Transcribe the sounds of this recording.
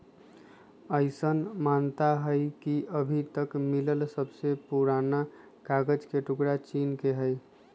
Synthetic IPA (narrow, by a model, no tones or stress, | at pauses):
əɪsənmant̪aɦəɪkiʔəbʱit̪əkmiləlsəbsepuɾana | kaɡəd͡ʒkeʈukɾat͡ʃinkeɦəɪ